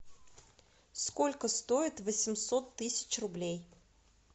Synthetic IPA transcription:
sko̞lʲkəst̪o̞ɪt̪vəsʲɪmsot̪ːɨsʲɪ̥t͡ɕrʊblʲej

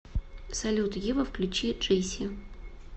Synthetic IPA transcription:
sɐlʲut̪jivəfklʲʉt͡ɕiʐejsʲɪ

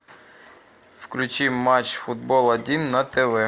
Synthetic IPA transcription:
wklʲʊt͡ʃimːɑt͡ʃfʊd̪̚bɔlˠɐd̪ʲinːɐt̪eʋɛ

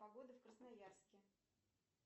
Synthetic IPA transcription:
pɐɡo̞d̪əfkɾəsnajarskʲɪ

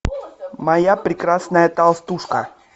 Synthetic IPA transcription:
mɐjapɾʲɪkɾasnəjət̪alˠst̪uʂkə

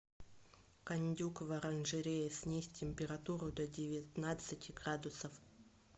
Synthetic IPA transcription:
kɐnʲdʲukəvəɾɐnʐɨɾʲejəsʲnʲisʲtʲːɪmʲpʲɪɾat̪uɾʊd̪ɐdʲɪvʲɪt̪nat̪sɨtʲɪɡɾad̪ʊsəf

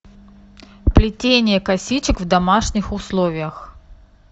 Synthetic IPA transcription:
plʲɪtʲenʲɪjəkɐsʲit͡ɕɪkvd̪ɐmaʂnʲɪxʊslˠovʲɪjəx

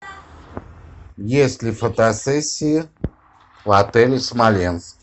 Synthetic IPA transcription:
jeslifət̪asesi | wat̪elismaljans

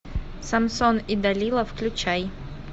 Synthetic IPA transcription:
sɐmsonid̪ɐlʲilˠəfklʲʊt͡ɕaj

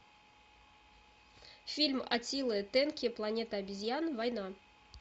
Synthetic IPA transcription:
fʲilʲma̰t̪ʲilˠɨt̪enkʲiplˠanʲet̪ɐːbʲizʲjanvɑjnɑ

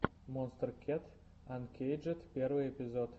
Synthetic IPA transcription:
monst̪ərkʲʰet̪ | ɐnkʲʰejd͡ʒɨt̪pʲeɾvɨjepʲɪzot̪

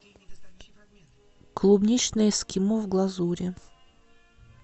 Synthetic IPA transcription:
klˠubnʲit͡ɕnəjəskʲɪmovɡlˠɐzuɾʲɪ

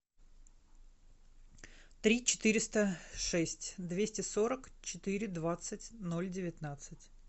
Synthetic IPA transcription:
t̪ɾʲit͡ɕɪ̥t̪ɨɾʲɪst̪əʂɛsʲtʲd̪vʲesʲtʲɪsoɾəkt͡ɕɪt̪ɨɾʲɪd̪vat̪sɨtʲno̞lʲdʲɪvʲɪt̪nat̪sɨtʲ

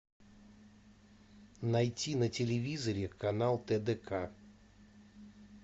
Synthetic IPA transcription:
najtʲinətʲɪlʲɪvʲizəɾʲɪkɐnalˠt̪ɛd̪ɛkʰa

